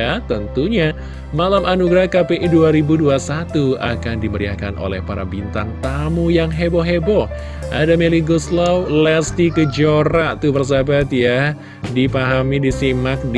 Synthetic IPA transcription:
at̪ənt̪uɲa | malamʔanuɡɾahkapeʔiduaɾibuduasat̪ua̰kandiməɾia̰kanʔo̰lɛ̰hpaɾa̰bint̪aŋt̪amujaŋɦebɔɦebɔ | ʔadameliɡɔslawlɛst̪ikəd͡ʒoɾaʔt̪ubərs̬abat̪ja | dipaɦamidisimak̚d

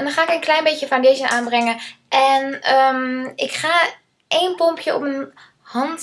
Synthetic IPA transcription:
ɛndɔnχaːɪkənklɛjnbejjəfawndejʃənaːnbrɛŋəʔɛnəmɪkχaː | ʔejnpɔmpʰjəɔ̰pmən | hɑnt

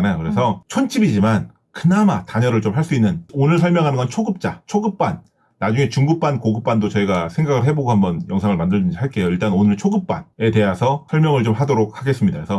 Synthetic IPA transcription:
najokɯɾe̞sʰʌt͡ɕʰont͡ɕ͈ʰibid͡ʑiman | kɯnamataɲʌɾɯɭt͡ɕomɦaɭs͈uinːɯnonɯɭs̬ʰʌɭmjʌŋɦanɯnŋɡʌnt͡ɕʰoɡɯp̚t͡ɕ͈at͡ɕʰoɡɯp̚p͈anː | ad͡ʑuŋe̞t͡ɕuŋɡɯk̚p͈ankoɡɯp̚p͈andot͡ɕʌiɡasʰe̞ŋɡaɡɯɭɦe̞boɡohambʌnjʌŋsʰaŋɯɭmandɯɭd͡ʑuɲd͡ʑiɦaɭk͈e̞joiɭt͈anonɯɭt͡ɕʰoɡɯp̚p͈a̰ne̞te̞ɦasʰʌsʰʌɭmjʌŋɯɭt͡ɕomɦadoɾok̚haɡes͈ɯmɲidaesʰʌ

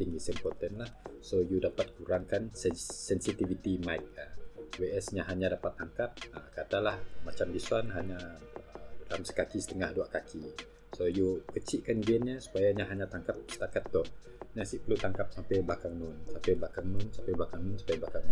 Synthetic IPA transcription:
t̪iŋɡisɛmpɔt̪ɛnlahsojudapat̪̚kuɾaŋkansɛsɛnsit̪ivit̪imajk̚aweɛsɲaɦaɲadapat̪ːaŋkap̚əkad̪alahmat͡ʃamdisuanɦaɲa | ədalamsə̥kakisə̥t̪əŋahduaʔkakʰi | sojukət͡ʃiʔkanɡɛnɲasu̥pajaɲaɦaɲat̪aŋkap̚sə̥t̪akat̪ːɔh | ɲasiʔpəlut̪aŋkap̚sampɛblakaŋnʊŋsampɛblakaŋnʊnsampɛblakaŋnunsu̥pajablakaŋ

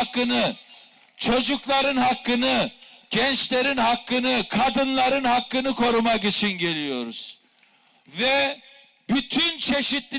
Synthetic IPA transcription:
kːɯnɯ | t͡ʃʰo̞d͡ʒuklˠaɾɯnɦakːɯnɯɟ̥ɛnt͡ʃlʲe̞ɾinɦakːɯnɯkʰad̪ɯnlˠaɾɯnɦakːɯnɯkʰo̞ɾumakit͡ʃʰinɟe̞lʲijo̞ɾuz̥ | vɛ | byt̪ʰynt͡ʃʰe̞ʃit̪lʲi

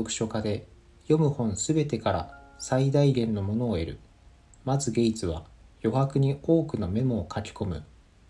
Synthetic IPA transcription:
okɯ̟̥ɕo̞kad̪e̞ | jo̞mɯ̟hõ̞ñsɨbe̞t̪e̞kaɾa̰said̪aiɡẽ̞nːo̞mo̞no̞ːe̞ɾɯ̟ | mazɨɡe̞it͡sɨβ̞a̰ | jo̞ɦakɯ̟ɲ̟io̞ːkɯ̟nome̞mo̞ːkʰakʲi̥ko̞mɯ̟̰

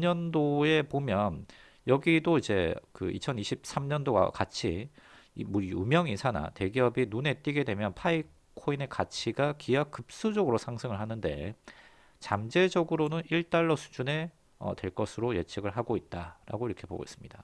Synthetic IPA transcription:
ɲʌndoe̞pomjʌn | jʌɡidoid͡ʑe̞kɯḭt͡ɕʰʌniɕʰip̚s͈amɲʌndoɡa̰kat͡ɕʰi | muɾjumjʌŋisʰana̰te̞ɡiʌbinune̞t͈iɡe̞dwe̞mjʌnpʰai | kʰoine̞kat͡ɕʰiɡakijak͈ɯp̚s͈ud͡ʑʌɡɯɾosʰaŋsʰɯŋɯɭɦanɯnde̞̰ | t͡ɕamd͡ʑe̞d͡ʑʌɡɯɾonɯniɭt͈aɭːʌsʰu̥d͡ʑune̞ | ʌ̰twe̞ɭk͈ʌsʰɯɾoje̞t͡ɕʰiɡɯɭɦaɡoit̚t͈aɾa̰ɡoiɾʌkʰe̞po̰ɡo̰ḭs͈ɯmɲida

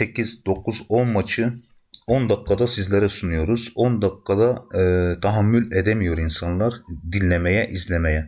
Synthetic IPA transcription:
secʰizd̪o̞k̚ʰuzo̞nmat͡ʃʰɯ | ond̪akːad̪asizlʲeɾɛsunujo̞ɾuz̥ond̪akːad̪at̪ʰaɦamːylʲed̪emijo̞ɾinsanlˠaɾd̪inːʲemejɛʔizlʲemejɛ

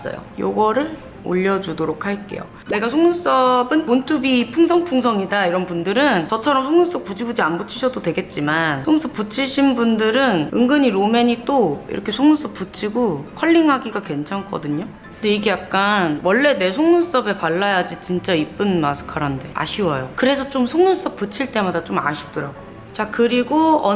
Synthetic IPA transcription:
s͈ʌ̰jo̰jo̰ɡʌɾɯɭ | o̰ʎːʌd͡ʑudoɾok̚ʰaɭk͈e̞̰jo̰ | ne̞ɡasʰoŋnus͈ʌbɯnmont͈ʰubipʰuŋsʰʌŋpʰuŋsʰʌŋidaiɾʌnbundɯɾɯnt͡ɕʌt͡ɕʰʌɾʌmsʰoŋnus͈ʌk̚p͈ud͡ʑiɡud͡ʑianbut͡ɕʰiɕʰʌdodwe̞ɡe̞t̚t͡ɕ͈imansoŋnus͈ʌp͈ut͡ɕʰiɕʰinbundɯɾɯnɯŋɡɯɲiɾome̞ɲit͈oḭɾʌkʰesʰoŋnus͈ʌp͈̚ut͡ɕʰiɡokʰʌʎːiŋɦaɡiɡakwe̞nt͡ɕʰank͈ʌ̰dɯɲo | ɯndeiɡe̞jak̚k͈anwʌɭːe̞ne̞sʰoŋnus͈ʌbe̞paɭːajad͡ʑit͡ɕint͡ɕ͈aip͈ɯnmasʰɯ̥kʰaɾɦande̞a̰ɕʰiwʌjokɯɾe̞sʰʌt͡ɕ͈omsʰoŋnus͈ʌp̚p͈ut͡ɕʰiɭt͈e̞madat͡ɕoma̰ɕʰi̥p̚t͈ɾaɡ̥o | t͡ɕakɯɾiɡoʌ

